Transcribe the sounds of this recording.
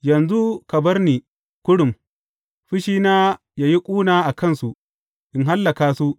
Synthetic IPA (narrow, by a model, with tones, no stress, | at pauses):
jɐ˨nzu˦kɐ˨bɐ˦rniː˨ | kʷʊ˦ɽʊ˨m | ɸɪ˦ʃiː˦naː˦ | jaː˦ji˦kʷʼuː˦naː˨ʔa˨kɐ˦˨nsu˨ʔ | ʔɪ˨ŋɦa˦lːɐ˨kaː˨su˦ʔ